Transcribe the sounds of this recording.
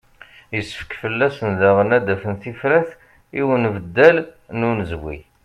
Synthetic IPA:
jəsːə̥fə̥kfəlːæsənðæʁənæd̪æfənθifɾæθ | iwənvəd̪ːælnunzwḭ

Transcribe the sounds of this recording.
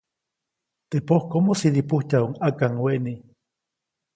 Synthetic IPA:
t̪epohkomosiɾipuht͡ʃauŋakaŋweʔni

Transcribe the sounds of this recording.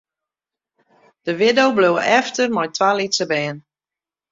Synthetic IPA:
d̥əʋɪdowblowəʔɛftərmɔjtʋalisəbɛːən

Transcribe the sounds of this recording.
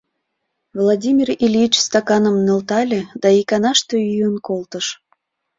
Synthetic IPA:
vlˠadʲimʲirilʲit͡ɕst̪ɑkɑnəmnø̆lt̪ɑlʲed̪ɑikɑnɑʃt̪øyjənkolt̪əʃ

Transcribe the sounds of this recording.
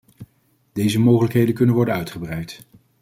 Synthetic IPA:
d̥ejzəmowχələkɦejdənkɵnənʋɔɹdənœɥtχəbrɛjt

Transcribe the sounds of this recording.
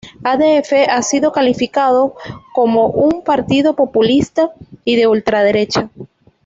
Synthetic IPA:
aðeefeasiðo̞kalifikað̞o̞ko̞mo̞ʔumpaɾt̪iðo̞po̞pulist̪aiðe̞ult̪ɾað̞e̞ɾe̞t͡ʃa

